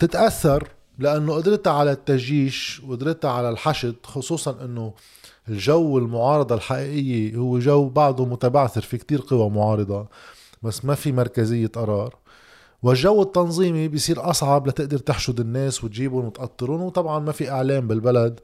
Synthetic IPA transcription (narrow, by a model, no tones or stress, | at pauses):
t̪ɪt̪ʔaθːɑɾˤ | laʔanːoʔɪd̪ɾɪt̪aʕalat̪ːaʒjiːʃwʔɪd̪ɾɪt̪aʕalalħaʃɪd̪̚xʊsˤuːsˤɑnʔɪnːo | ɪlʒawːɪlmʊʕɑːɾˤɑd̪ˤɑlħaʔiːʔɪjːihʊwːeʒawːbaʕd̪ʊmʊt̪abaʕθɪɾfikt̪iːɾqɨwamʊʕɑːɾˤɨd̪ˤɑ | basːmafimɑɾˤkazɪjːet̪ʔɑɾˤɑːɾˤ | wɪʒːawːɪt̪ːɑnzˤiːmibjsˤiːɾʔɑsˤʕɑblat̪ɪʔd̪ɑɾt̪ɪħʃʊd̪ɪnːeːswɪt̪ʒiːbʊnwɪt̪ʔɑt̪ˤːɨɾʊnwt̪ˤɑbʕɑnmafiʔɪʕleːmbɪlbalad̪